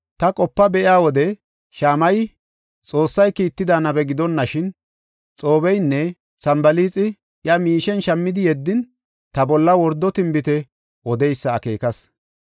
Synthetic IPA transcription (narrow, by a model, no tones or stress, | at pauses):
t̪ɐkʼɔpːɐbɛʔɪaːwɔd̪ɛ | ʃaːmɐj | t͡sʼo̞ːsːɐjkiːt̪ːɪd̪aːnɐbɛɡɪd̪ɔnːɐʃɪn | t͡sʼo̞ːbɛjnːɛ | sɐmbɐliːt͡sʼɪ | ʔjɐmiːʃɛnʃɐmːɪd̪ɪjɛd̪ːɪn | t̪ɐbɔlːɐwɔɾd̪ːɔt̪ɪmbɪt̪ɛ | wɔd̪ɛjsːɐːke̞̰ːkɐs